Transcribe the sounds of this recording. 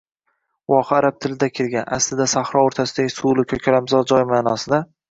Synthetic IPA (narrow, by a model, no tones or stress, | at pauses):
wɒqʰaːɾab̚t̪ʰɪlɪd̪akʲʰelɡʲanʔaslɪd̪asaχɾɒoɾt̪ʰasɪd̪aɡʲɪsulˠɪkʲʰɵkʲʰalamzɒd͡ʒɒjmaːnɒsɪd̪a